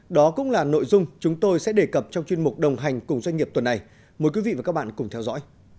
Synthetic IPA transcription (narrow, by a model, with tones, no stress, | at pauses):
ɗɔ˨˦kʊ̰˧˥ŋ͡mlaː˨˩no̰˧˨jzʊ˧ŋ͡mt͡ɕʊ˨˦ŋ͡mt̪o˧jsɛ̰˧˥ɗe˨˩kə˨˩p̚t͡ɕɔ˧wŋ͡mt͡ɕwi˧ənmʊ˨˩k͡p̚ɗə˨˩wŋ͡mɦa˨˩jŋ̟kʊ˨˩ŋ͡mzwa˧jŋŋi˨˩əp̚t̪wə˨˩nːa˨˩j | moː˨˩jkwi˨˦vḭ˧˨vaː˨˩kaː˦˥ɓaː˧˨nkʊ˨˩ŋ͡mt̪ʰɛ˧wzɔ̰˧˥j